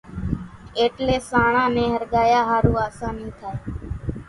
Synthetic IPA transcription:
eːʈleːsaːɳãːnẽːɦəɾɠaːjaːɦaːɾũːaːsãːnĩːt̪ʰaːeː

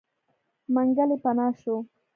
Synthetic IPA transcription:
maŋɡalɪpanaːʃʊ

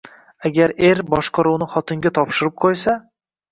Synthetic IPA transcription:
aɡʲaɾe̞ɾbɒʃqɑɾuwnɪχɒt̪ʰɪŋɡʲat̪ʰɒpʃɪɾɪp̚qʰojsa

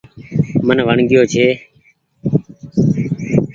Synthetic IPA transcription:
mənʋəɳɡɪjoːt͡ʃʰeː

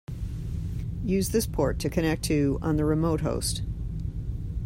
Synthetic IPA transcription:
jʉzðɪspʰɔɹtʰɨkʰɨ̃ñɛk̚tʰɨə̰̃nðɨɹɨmoʊt̚ɦo̰ʊst

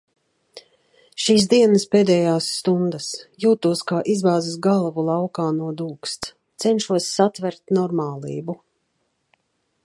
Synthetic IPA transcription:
ʃiːs̬d̪iɛnəspeːd̪ɛjaːsːt̪und̪asjuːt̪uɔskaːʔizbaːzisɡalˠvulˠɑwkaːnuɔd̪uːkst̪ | t̪sɛnʃuɔsːat̪vɛɾt̪nɔɾmaːlˠḭːbu

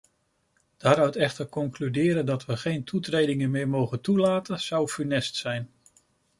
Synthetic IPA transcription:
d̥aːɾœɥtɛχtəɹkɔŋklydɪːɾəndɑtʋəχejntʰutrejdɪŋənmɪːɹmowχəntulaːtənz̥ɑwfynɛstsɛjn

